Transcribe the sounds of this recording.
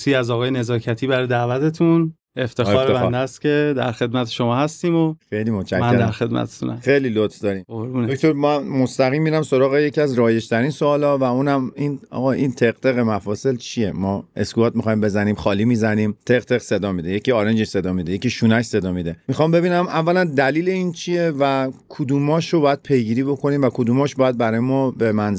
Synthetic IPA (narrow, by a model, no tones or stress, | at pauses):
siːæzɒːɣɒːjene̞zɒːcʰæt̪ʰiːbæɾɔjd̪ævæt̪ʰe̞t̪ʰun | eft̪ʰexɔːɾbeeæd̪est̪cʲe̞d̪æɾxe̞d̪mæt̪ʰeʃomɒːhæst̪iːmoxejlimot͡ʃæcmnːeɾd̪æɾxe̞d̪̚mæ̰t̪ʰe̥t̪ʰṵnæ̰e̞jlilot̪fd̪ɒːɾiːmoɾuːnokt̪oɾmæmo̞st̪æɣiːmːiɾæmso̞ɾɒːɣe̞je̞cʰiæzɾɒːje̞ʃt̪ʰæɾiːnsoːlɒːvæuːnæminɒ̰ɣɒʔint̪ʰe̞ɣt̪ʰe̞ɣemæfɒːse̞lt͡ʃʰije̞mɒːe̞̰skuɒːt̪̚mixɒːjimbe̞zæniːmχɒːliːmizæniːmt̪ʰeɣt̪ʰe̞ɣse̞d̪ɒːmid̪ejecʰiːɒːɾend͡ʒeʃse̞d̪ɒːmid̪e̞jecʰiʃuːnæʃse̞d̪ɒːmid̪e̞mixɒːmbe̞biːnæmævːælænd̪æliːleiːnt͡ʃʰije̞vækʰud̪uːmɒːʃobɒːjæd̪̥̚pʰe̞jɡiːɾiːbo̞kʰo̞niːmvækʰod̪uːmɒːʃbɒːjæd̪̚bæɾɒːjemɒːbe̞mænz